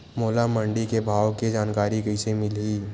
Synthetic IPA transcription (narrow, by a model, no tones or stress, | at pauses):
moːlamə̃ɳɖikebʱaːwkid͡ʒaːnkaːɾikəisemɪliː